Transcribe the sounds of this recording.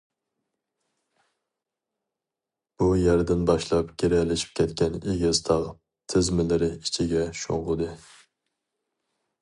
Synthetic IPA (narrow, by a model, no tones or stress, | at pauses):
b̥ujæɾd̪ɪnbɑʃlˠɑpɡʲeɾɛlɪʃi̥p̚kʲʰɛt̪kʲɛneɡʲɪzt̪ʰɑʁ | t̪ʰɪzmɪlɪɾɪit͡ʃʰiɡʲɛʃo̰ŋʁʊd̪ɨ